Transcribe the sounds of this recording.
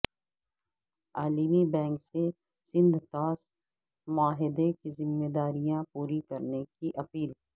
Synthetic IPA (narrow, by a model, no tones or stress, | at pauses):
aːlimibɛ̃ːŋkse | sɪ̃nd̪ʱt̪aːs | mʊaːɦɪd̪ekizɪmːeːd̪aːɾijãpuːɾikɐɾnekiʔɐpiːl